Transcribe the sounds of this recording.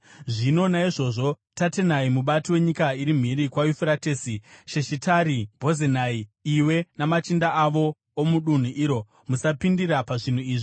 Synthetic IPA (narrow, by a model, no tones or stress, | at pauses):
ʐino̞naiʐo̞ːʐo̞ | tatenaimuɓatiwe̞ɲikaiɾim̤iɾikwajufiɾateːsiʃeʃitaɾibʱo̞zenaiiwe̞namat͡ʃindaaʋo̞ː | muɗun̤uʔiːɾo̞ | musapindirapaʐin̤uiːʐi